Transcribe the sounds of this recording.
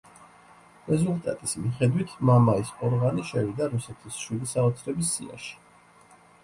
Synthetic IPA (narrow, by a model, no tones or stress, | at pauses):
ɾɛzulˠt̪ʼa̰t̪ʼismiχɛd̪wit̪ʰmamaisʼɔɾʁaniʃɛvid̪aɾusɛt̪ʰisʃwid̪isaɔt̪sʰɾɛbisːḭa̰ʃi̥